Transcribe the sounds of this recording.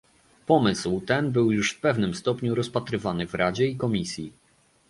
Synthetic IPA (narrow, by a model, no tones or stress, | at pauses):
pɔmɘswt̪ɛnbɘwjuʂfpɛvnɘmst̪ɔpɲuɾɔspat̪ɾɘvanɘvɾad͡ʑɛikɔmʲisʲji